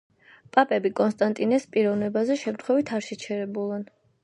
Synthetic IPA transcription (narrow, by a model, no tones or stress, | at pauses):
pʼapʼɛbikʼɔnst̪ʼant̪ʼinɛspʼiɾɔvnɛbazɛʃɛmt̪ʰχwɛvit̪ʰaɾʃɛt͡ʃʰɛɾɛbulˠan